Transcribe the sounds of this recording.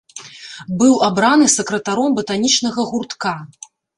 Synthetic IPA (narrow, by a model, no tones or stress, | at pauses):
bɨwabɾanɨsɐkɾɐt̪aɾɔmbɐt̪anʲit͡ʂnɐɣɐɣurt̪ka